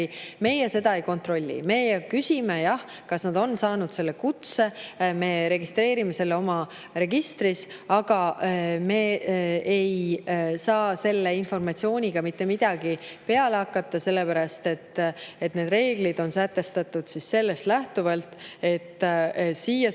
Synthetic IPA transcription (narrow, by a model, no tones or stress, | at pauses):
me̞jese̞d̪ɑe̞jko̞nt̪ro̞lʲːḭme̞jɑkysʲime̞jɑh | kɑsnɑd̪̥o̞nsɑːnud̪̥se̞lːe̞kut̪se̞me̞ːɾe̞ɡist̪ɾe̞ːɾime̞se̞lːeo̞mɑ | re̞ɡ̥ist̪risɑɡ̥ɑme̞ejsɑːse̞lːeinfo̞rmɑt̪sio̞ːnʲiɡ̥ɑmit̪ːe̞mid̪̥ɑɡ̥ipe̞ɑleɑkːɑt̪ˑːɑse̞lːepæɾɑst̪e̞t̪ːe̞t̪ːne̞ːd̪re̞ːɡ̥lid̪̥o̞nsæt̪ːe̞st̪ɑt̪ːˑud̪̥sisse̞lːe̞st̪læht̪uvɑlt̪ˑe̞t̪ːˑsiːjɑ